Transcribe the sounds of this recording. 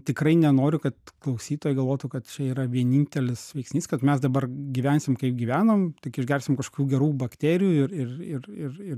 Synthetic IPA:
t̪ʲɪkɾɐɪnʲɛnoːɾʲʊkɐt̪klˠɐʊsʲiːt̪oːjɛɪɡɐlˠʋoːt̪uːkɐt̪t͡ʃʲɛiːɾɐʋʲiɛnʲinʲt̪ʲɛlʲɪsʋʲɛɪksʲnʲiːskɐt̪mʲɛsd̪ɐbɐrɡʲiʋʲɛnʲsʲɪmkɐɪp̚ɡʲiːʋʲæːnoːmt̪ʲɪkɪʒʲɡʲɛrʲsʲɪmkɐʃkoːkʲuːɡʲɛɾuːbɐkt̪ʲeːɾʲɪjuːɪrɪrɪrɪrɪr

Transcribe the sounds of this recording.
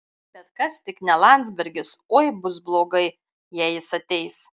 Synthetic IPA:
bʲɛt̪kɐst̪ʲɪknʲɛlˠɑˑnʲt̪zʲbʲɛɾʲɡʲɪsoːjbʊsblˠoːɡɐɪ | jæːjɪsɐt̪ʲɛɪs

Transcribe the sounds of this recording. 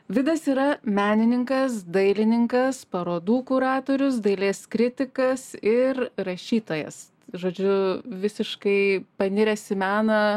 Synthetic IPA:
ʋʲɪd̪ɐsiːɾɐmʲæːnʲɪnʲɪŋkɐsd̪ɐɪlʲɪnʲɪŋkɐspɐɾoːd̪uːkʊɾɑːt̪oːɾʲʊsd̪ɐɪlʲeːskɾʲɪt̪ʲɪkɐsɪrrɐʃʲiːt̪oːjɛ̰s | ʒoːd͡ʒʲʊʋʲɪsʲɪʃkɐɪpɐnʲɪɾʲɛsʲɪmʲæːnɐ

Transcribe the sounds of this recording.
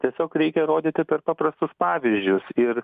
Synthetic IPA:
t̪ʲiɛsʲoːkɾʲɛɪkʲɛɾoːd̪ʲit̪ʲɪpʲɛrpɑːprɐst̪ʊspɑːʋʲɪzʲd͡ʒʲʊsɪr

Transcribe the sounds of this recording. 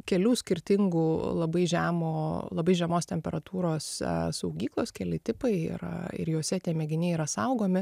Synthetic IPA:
kʲɛlʲuːsʲkʲɪɾʲt̪ʲɪŋɡuːlˠɐbɐɪʒʲæːmoːlˠɐbɐɪʒʲɛmoːst̪ʲɛmʲpʲɛɾɐt̪uːɾoːssɐʊɡʲiːklˠoːskʲɛlʲɪt̪ʲɪpɐɪɪ̰r̰ɪ̰rjoːsʲɛt̪ʲiɛmʲɛɡʲɪnʲɛiːɾɐsɐʊɡoːmʲɪ

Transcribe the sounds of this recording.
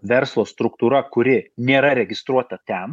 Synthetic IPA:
ʋʲɛɾslˠoːst̪ɾʊkt̪uːɾɐkʊɾʲɪnʲeːɾɐɾʲɛɡʲɪst̪ɾuɔt̪ɐt̪ʲɛn

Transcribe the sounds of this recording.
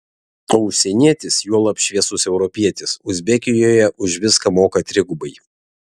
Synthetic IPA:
ɐʊʃʲsʲɛnʲiɛt̪ʲɪsjuɔlˠɐpʃʲʋʲiɛsʊsɛʊɾɔpʲiɛt̪ʲɪsʊzʲbʲɛkʲɪjoːjɛʔʊʃʋʲɪskɐmoːkɐt̪ʲɾʲɪɡʊbɐɪ

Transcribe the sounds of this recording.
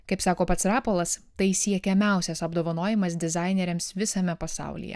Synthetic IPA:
kɐɪpsɑːkoːpɐt̪sɾɑːpolˠɐst̪ɐɪsʲiɛkʲɛmʲæˑʊsʲɛsɐb̚d̪oːʋɐnoːjɪmɐs̬d̪ʲɪzɑˑɪnʲɛɾʲɛmsʋʲɪsɐmʲɛpɐsɑ̰ˑʊlʲḭjɛ̰

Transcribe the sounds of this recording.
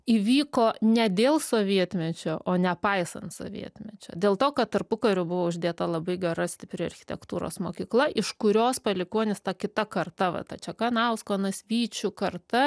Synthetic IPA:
iːʋʲiːkoːnʲɛd̪ʲeːlˠsoːʋʲiɛt̪ʲmʲɛt͡ʃʲoːʔʔoːnʲɛpɐɪsɐ̰nt̪so̰ːʋʲḭɛt̪ʲmʲɛt͡ʃʲo̰ːd̪ʲeːlˠt̪oːkɐt̚t̪ɐrpʊkɐɾʲʊbʊʋoːʊʒʲd̪ʲeːt̪ɐlˠɐbɐɪɡʲɛɾɐsʲt̪ʲɪpʲɾʲʊɐ̰rʲxʲɪ̥t̪ʲɛ̰kt̪uːɾo̰ːsmoːkʲiːklˠɐʔɪʃkʊɾʲoːspɐlʲɪkuɔnʲɪst̪ɐkʲɪt̪ɐkɐrt̪ɐʋɐ̰t̪ɐt͡ʃʲɛkɑːnɑʊskoːnɐsʲʋʲiːt͡ʃʲʊkɐrt̪ɐ

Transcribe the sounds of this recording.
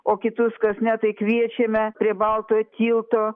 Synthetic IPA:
oːkʲɪt̪ʊskɐsnʲɛt̪ɐɪkʋʲiɛt͡ʃʲemʲɛpʲɾʲiɛbɐlˠt̪oːt̪ʲiːlˠt̪oː

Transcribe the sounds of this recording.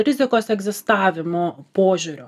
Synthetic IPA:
ɾʲɪzʲɪkoːsɛɡzʲɪst̪ɑːʋʲɪmoːpoːʒʲʊɾʲo

